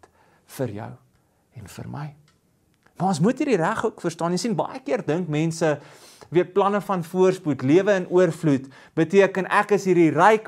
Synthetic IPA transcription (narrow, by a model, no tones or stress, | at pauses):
fərjœ̰w | ɛnfə̰rmə̰j | mɐɔnsmutɦiːrdiræχuəkfərstɑːnisinbɐ̰jəkiərdəŋkmɛnsə | viət̚plɐnəfɐnfuərsputliəvəːnʔuərflut | b̥ətiəkənækəsɦiːrdirɛjk